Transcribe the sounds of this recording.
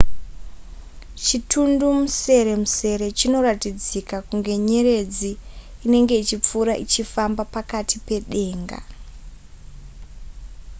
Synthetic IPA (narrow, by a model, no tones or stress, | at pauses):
t͡ʃitʰundumuse̞ɾe̞muse̞ɾe̞t͡ʃino̞ratid͡zikakuŋɡe̞ɲe̞ɾe̞d͡ziːne̞ŋɡe̞it͡ʃip͡fuɾaʔit͡ʃifambapakatʰipe̞ɗe̞ːŋɡa̰